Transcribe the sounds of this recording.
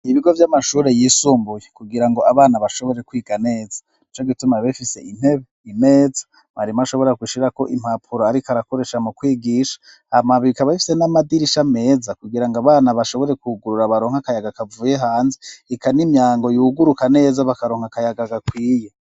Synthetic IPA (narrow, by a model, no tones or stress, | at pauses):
iβiɡo̞vjamaʃuːɾe̞jiːsuːmbujekuɡiɾaŋɡo̞ʔaβaːnaβaʃo̞βo̞ɾe̞kwiːɡane̞ːzḁ | nit͡ʃoɡitumaβefise̞̰ʔin̥he̞βeime̞ːzḁ | βaɾimaʃo̞βo̞ɾeɾakwiːʃiɾako̞ʔim̥hapʰuɾoaɾikaɾako̞ɾe̞ʃamukwiːɡiʃḁ | amaβiikaβaifi̥senamadiɾiʃame̞ːzakuɡiɾaŋɡaβaːnaβaʃo̞βo̞ɾe̞kuɡuɾuɾaβaɾo̞ːŋ̥hakajaɡakavuːjeɦaːnzeikanimjaːŋɡo̞juːɡuɾukane̞ːzaβakaɾo̞ːŋhakajaɡaɡakwiːje̞